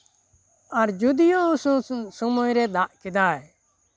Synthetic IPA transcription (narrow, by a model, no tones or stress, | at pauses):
ɐɾd͡ʒʊd̪ɪjõʊsũsʊmoɪɾɛd̪aːʔkɪd̪aːɛ